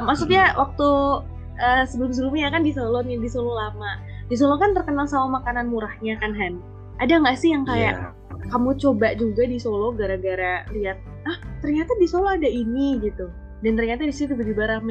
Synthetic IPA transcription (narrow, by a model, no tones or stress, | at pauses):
maksuk̚ɲawʔak̚t̪u | ʔəːsəbəlʊms̬ɾumiakandisolɔndisolɔlama | dis̬olɔkant̪ərkənalsaamakananmuɾahɲakanɦan | ʔadaŋɡaʔsɪhjaŋkaja̰ʔ | kamut͡ʃobaʔd͡ʒuɡadisolɔɡaɾaɡaɾaliat̪̚ | aht̪ərɲat̪adisolɔadainiɡit̪u | dant̪ərɲat̪adisit̪ibədibaɾahm